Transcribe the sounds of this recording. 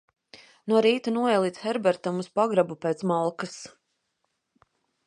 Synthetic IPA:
nuɔɾiːt̪unuɔɛlˠiːt̪sxɛɾbɛɾt̪amuspaɡɾabupeːt̪smalˠkas

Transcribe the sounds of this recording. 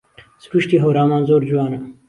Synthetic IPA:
sɾuʃt̪iːɦowɾɑːmɑːnzoːɾd͡ʒuwɑːnɐ

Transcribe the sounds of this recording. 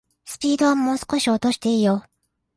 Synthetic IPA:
sɨ̥pʲiːd̪o̞amːoːsɨ̥ko̞ɕio̞t̪o̞ɕi̥t̪e̞ijo

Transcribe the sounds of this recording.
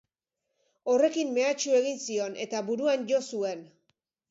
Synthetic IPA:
o̞re̞kimːe̞at͡ʃue̞ɣinsio̞ne̞t̪aβuɾuanʝo̞sue̞n

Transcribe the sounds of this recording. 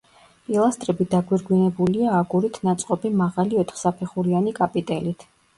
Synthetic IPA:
pʼilˠast̪ʼɾɛbid̪aɡwiɾɡwinɛbuliaːɡuɾit̪ʰnat̪sʼqʼɔbimaʁaliɔt̪ʰχsapʰɛχuɾianikʼapʼit̪ʼɛlit̪ʰ

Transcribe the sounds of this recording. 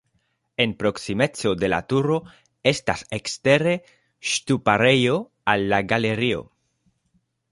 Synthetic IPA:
enpɾoksimet͡sod̪e̞la̰t̪uɾo | est̪asekst̪eɾe | ʃt̪upaɾejo | alːaɡaleɾio̰

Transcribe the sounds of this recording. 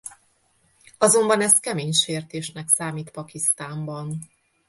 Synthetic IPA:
ɒzo̞mbɒnɛst̪̚kɛmeːɲʃeːrt̪eːʃnɛksaːmiːt̪pɒkist̪aːmbɒn

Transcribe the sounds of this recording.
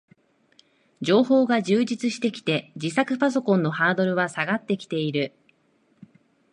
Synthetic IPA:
d͡ʑo̞ːho̞ːɡaʑɨːd͡ʑit͡sɨɕi̥t̪e̞kʲi̥t̪e̞d͡ʑisakɯ̟pas̬o̞kõ̞nːo̞haːd̪o̞ɾɯ̟βasaɡat̪ːe̞kʲi̥t̪e̞iɾɯ̟

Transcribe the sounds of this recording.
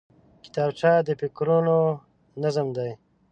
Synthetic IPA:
ki̥t̪aːbʈ͡ʂaːd̪əpikɾuno | nazəmd̪aj

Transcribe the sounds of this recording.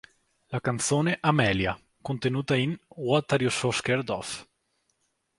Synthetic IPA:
lakant̪soːneʔamɛːlja̰ | kont̪enuːt̪ainwɔt̪aɾjososkerd̪ɔf

